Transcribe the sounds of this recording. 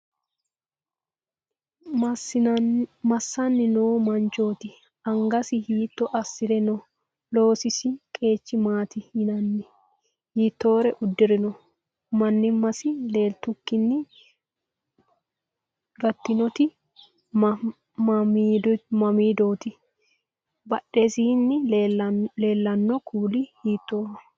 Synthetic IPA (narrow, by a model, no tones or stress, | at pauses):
mɐsːɐnːɪnoːmɐnt͡ʃo̞ːt̪ɪ | ɐŋɡɐsɪhiːt̪ːɔʔɐsːɪɾɛnɔ | lo̞ːsɪsɪkʼe̞ːt͡ʃːɪmaːt̪ɪhɪnɐnːɪ | hiːt̪ːo̞ːɾɛʔʊd̪ːɪɾɪnɔ | mɐnːɪmːɐsɪle̞ːlt̪ʊkːɪnːɪ | ɡɐt̪ːɪnɔt̪ɪ | mɐmiːd̪oːt̪ɪ | bɐɗːesiːnːɪ | le̞ːlːɐnːɔkʰuːlɪhiːt̪ːoːhɐ